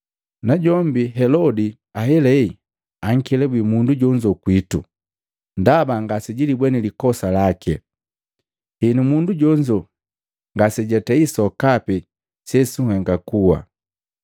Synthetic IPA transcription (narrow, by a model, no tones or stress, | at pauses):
naɟɔmbiɦɛlɔdi | aɦɛlɛi | aŋ̩kɛlɛbwimunduɟɔɲd͡ʒɔkwitṵ | ndabaŋɡasɛɟilibwɛnilikɔsalakɛ | hinumunduɟɔɲd͡ʒɔ | ŋɡasɛɟɛtɛisɔkapɛ | sɛsuŋhɛŋɡakuwa̰